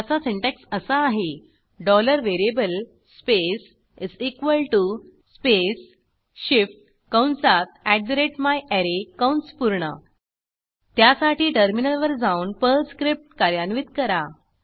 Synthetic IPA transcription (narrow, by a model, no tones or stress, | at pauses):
t͡saseɳʈeksəsəːɦe | ɖɔləɾʋeɾiebəl | spes | isikʋəlʈuspes | ɕifʈ̚ | kəwɳsat̪̚ʰæɖ̚dɾeʈmajɛɾekawɳspuɾɳə̰ | t̪jasaʈiːʈəɾminəlʋəɾd͡zaunpəɾskɾip̚ʈkaɾjanʋit̪kəɾa